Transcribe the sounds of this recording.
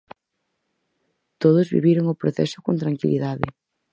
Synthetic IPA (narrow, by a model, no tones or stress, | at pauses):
t̪oðozβḭβiɾoŋʊpɾoθɛ̰sʊkont̪ɾaŋkiliðaðɪ